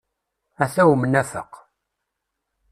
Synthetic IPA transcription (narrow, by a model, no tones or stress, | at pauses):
æθæwmnæfə̰q